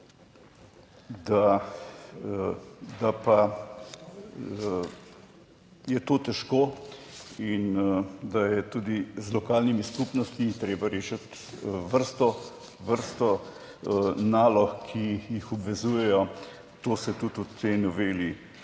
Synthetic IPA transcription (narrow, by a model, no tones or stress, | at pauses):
d̪a | d̪apa | jɛt̪oːt̪ɛʃkoː | ind̪ajɛt̪uːd̪izlɔkaːlnimiskupnɔst̪mit̪ɾeːbaɾeːʃɐt̪ | ʋəɾst̪ɔ | ʋəɾst̪ɔ | naːlɔxkʰijixɔbʋɛzuːjɛjɔ | t̪oːsɛt̪ut̪ut̪ʰejnɔʋeːli